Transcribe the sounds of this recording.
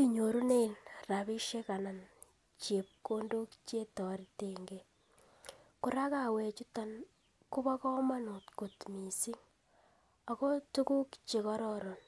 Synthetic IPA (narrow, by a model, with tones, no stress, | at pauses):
i˦˨ɲo˨ɾu˦ne˦nra˨βi˦ʃe˦ka˨na˨n | t͡ʃe˨p̚ko˦ndo˦kt͡ʃe˦tɔ˨ɾteŋɡe | ku˦ɾa˦ka˨we˨t͡ʃu˦ta˦n | ku˦βa˦kɔ˦ma˦nu˨tko˨tmi˨si˦ŋ | a˨ko˦tu˦ku˦kt͡ʃe˨kɔ˦ɾɔɾo˨n